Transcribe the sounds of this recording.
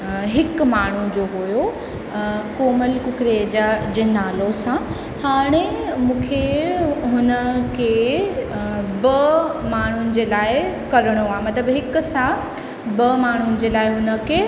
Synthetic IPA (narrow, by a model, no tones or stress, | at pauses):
ɦɪkmaːɳ̤ud͡ʑoːɦojo | koːməlkʊkɾed͡ʑaːd͡ʑeːnaːlosã | haːɽ̃emũːkʰeɦʊnə̆kʰeː | bɐmaːɳ̤ʊnɪ̆d͡ʑeːlaːɪkɐɾəɽ̃oaːɦemɐt̪ləbɦɪkʊ̆sã | bɐmaːɳ̤ʊnɪ̆d͡ʑeːlaːɪɦʊnə̆kʰeː